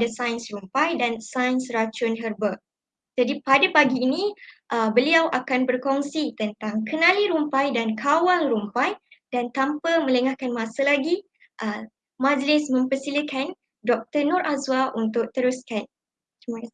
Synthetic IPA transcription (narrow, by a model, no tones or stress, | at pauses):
dəsajnsrumpajdansajnsrat͡ʃʊnɦərbək̚ | d͡ʒadipadapaɡiːnĩʔəbəliawʔakanbərkɔŋsit̪ənt̪aŋkənãliɾumpajdankʰawalɾumpajd̥ant̪ampəmə̃ləŋahkanmãsalaɡi | ʔə | mãd͡ʒlɪsmə̃mpərsiləkan | dɔk̚t̪ənɔɾʔazwaʔunt̪ʊʔ̚t̪əɾuskan | t̪imakas